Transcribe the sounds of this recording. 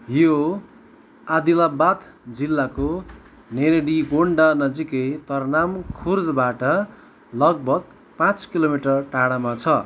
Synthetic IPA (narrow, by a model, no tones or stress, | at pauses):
jo | ad̪ilabat̪ | d͡zilːako | neɾeɽiɡoɳɖanʌd͡ziket̪ʌrnamkʰurd̪baʈʌ | lʌɡ̚bʱʌɡ̚ | pãt͡skilomiʈʌrʈaɽamat͡sʰʌ